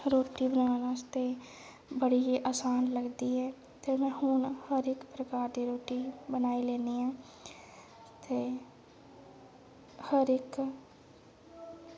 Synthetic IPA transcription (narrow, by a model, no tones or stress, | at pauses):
ɾoːʈibənaːnaːst̪eː | bəɽieʔaːsaːnləɡd̪iːɦɛː | t̪eːmɛ̃ːhʊnhəɾɪkpɾəkaːɾd̪eːɾoːʈiːbənaːileːniːãː | t̪eː | həɾɪk